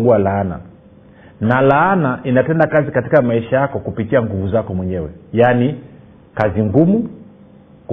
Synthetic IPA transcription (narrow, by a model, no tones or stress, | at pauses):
ɡualaana̰ | nalaanaʔinatɛndakazikatikamaiʃajakɔkupikiaŋɡuvuzakɔmwɛɲɛwɛjani | kaziŋɡumu | k